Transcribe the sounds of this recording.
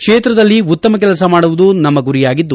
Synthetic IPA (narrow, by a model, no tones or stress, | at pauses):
kʂeːt̪ɾɐd̪ɐlːiut̪ːɐmɐk̬ɛlɐsɐmaːɽuʋud̪unɐmːɐɡuɾijaːɡid̪ːu